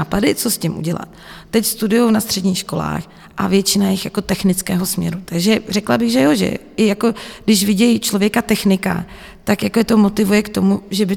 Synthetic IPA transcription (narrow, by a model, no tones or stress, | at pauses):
aːpadɪt͡so̞scɪmʔṵɟɛla̰t̪ːɛcst̪udʊjownast̪r̥ɛdɲiːxʃko̞la̰ːx | ʔa̰vjɛt͡ʃɪnajɪxjako̞t̪ɛxnɪt͡skɛːɦo̞smɲɛ̰ɾut̪aɡʒɛrɛklabɪɣʒɛjo̞ʒɛ̰ | ɪjako̞ɡdɪʃvɪɟɛjt͡ʃlo̞vjɛkat̪ɛxnɪka̰ | t̪akjakoɛt̪o̞mo̞t̪ɪvujɛkt̪o̞muʒɛbɪ